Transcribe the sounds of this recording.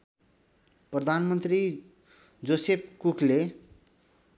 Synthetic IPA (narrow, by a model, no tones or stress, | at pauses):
prʌd̪ʱanmʌnt̪ri | d͡zosep̚ʰkukʰle